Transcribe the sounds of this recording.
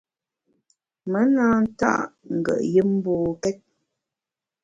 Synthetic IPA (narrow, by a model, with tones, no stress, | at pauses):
mə˦naː˦n̩˦ta̰˦˨ʔŋ̩˨ɡə̰˨ʔjə˦m˦boː˨kɛ˦t̚